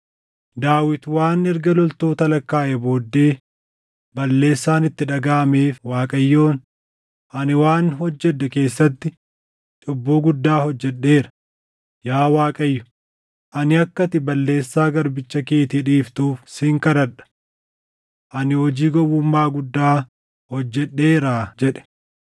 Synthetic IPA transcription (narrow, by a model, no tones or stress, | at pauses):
d̪aːwɪt̪waːnɛɾɡɐlɔlt̪oːt̪ɐlɐkːaːʔɛbo̞ːd̪ːe̞ː | bɐlːe̞ːsːaːnɪt̪ːɪᶑɐɡaːmeːfwaːkʼɐjːoːn | ʔɐnɪwaːnɦɔd͡ʒːɛᶑːɛke̞ːsːɐt̪ːɪ | t͡ʃʼɔbːoːɡʊd̪ːaːhɔd͡ʒːɛᶑːe̞ːɾɐ̥ | jaːwaːkʼɐjːʊ̥ | ʔɐnɪɐkːɐt̪ɪbɐlːe̞ːsːaːɡɐɾbɪt͡ʃːɐkeːt̪iːᶑiːft̪uːfsɪŋkɐɾɐᶑɐ̥ | ʔɐnɪhɔd͡ʒiːɡɔwʊmːaːɡʊd̪ːaː | hɔd͡ʒːɛɗːe̞ːɾaːd͡ʒɛᶑɛ̥